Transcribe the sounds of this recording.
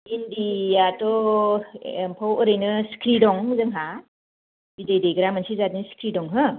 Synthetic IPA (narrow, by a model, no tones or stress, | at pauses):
indijatɔ | pʰawɔɾejnɯsi̥kʰɾidɔŋzɯŋɦa | bidejdejɡɾamansizatinsi̥kʰɾidɔŋɦɯ